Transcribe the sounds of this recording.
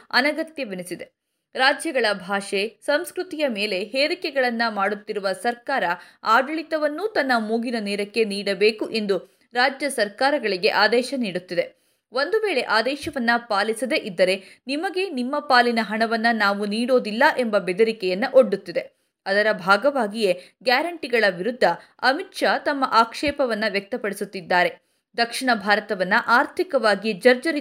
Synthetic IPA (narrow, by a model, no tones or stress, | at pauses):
ɐ̰nɐɡɐt̪jɐʋenesid̪e̞ | ɾaːd͡ʒjɐɡɐɭɐbʱaːʂesɐmskɾut̪ijɐme̞ːle̞ɦeːɾikɛɡɐɭɐnːɐmaːɽut̪ːiɾuʋɐsɐɾkaːɾɐ | aːɖɐɭit̪ɐʋɐnːuːt̪ɐnːɐmuːɡinɐnɛːɾɐkːe̞niːɽɐbe̞ːkuʔe̞nd̪u | ɾaːd͡ʒjɐsɐɾkaːɾɐɡɐɭiɡe̞̰ʔaːd̪ɛːʃɐniːɽut̪ːid̪e | ʋo̞nd̪uʋe̞ːɭe̞ʔaːd̪ɛːʃɐʋɐnːɐpaːlisɐd̪e̞ʔid̪ːɐɾe̞nimɐɡe̞nimːɐpaːlinɐɦɐɳɐʋɐnːɐnaːʋuniːɽo̞ːd̪ilːɐʔe̞mbɐbɛd̪ɐɾikɛjɐnːɐʔo̞ɖːut̪ːid̪e | ɐd̪ɐɾɐbʱaːɡɐʋaːɡije̞ | ɡjaːɾɐɳʈiɡɐɭɐʋiɾud̪ʱːɐ | ɐmitʂat̪ɐmːɐʔaːkʂɛːpɐʋɐnːɐʋjɐk̚t̪ɐpɐɽisut̪ːid̪ːaːɾe̞ | d̪ɐkʂiɳɐbʱaːɾɐt̪ɐʋɐnːɐʔaːɾt̪ʰikɐʋaːɡid͡ʒɐɾd͡ʒɐɾi